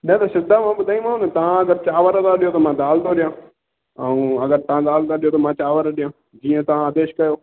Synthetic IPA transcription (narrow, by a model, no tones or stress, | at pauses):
nɛ̃ːt̪ɐsɪd̪aːmãːbʊd̪ʱaːĩmãːõnet̪ãɐɡəɾt͡ʃaːʋəɾəd̪aːɗɪjoːt̪omãːd̪aːld̪oːɗɪjãː | əũːɐɡəɾt̪ɐãːd̪aːld̪aːɗɪjoːt̪omãːt͡ʃaːʋəɾəɗɪjãː | d͡ʒiːə̃t̪ɐãad̪eːʃkɐjoː